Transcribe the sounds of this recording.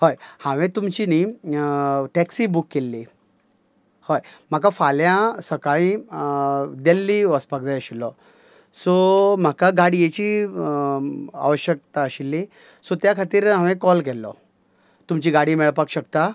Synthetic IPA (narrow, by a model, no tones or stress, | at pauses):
hojhãʋẽt̪umt͡ɕini | ʈɛksiːbukːelːi | hojm̤akafaljãsəkaɭĩ | d̪elːiʋəspak̚d͡zajəɕilːɔ | sɔm̤akaɡaɽijet͡ɕiː | a̰ʋəɕjək̚t̪aəɕilːi | sɔt̪jakʰat̪iːɾɦãʋẽkɔlkɛlːɔ̰ | t̪umt͡ɕiːɡaɽiːmɛɭpakɕəkt̪a